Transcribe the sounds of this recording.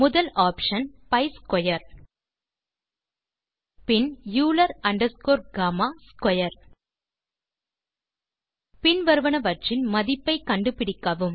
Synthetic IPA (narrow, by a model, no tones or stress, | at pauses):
mʊðɐlaːpʂɐnpɐɪskɔjɐɾ | pɪnjuːlɐɾɐɳɖɐɾskoːɾɡaːmaːskɔjɐɾ | pɪnʋɐɾɯʋɐɳɐʋɐɾt͡ʃɪnmɐðɪpːɐɪkɐɳɖɯpɪɽɪkːɐʋɯm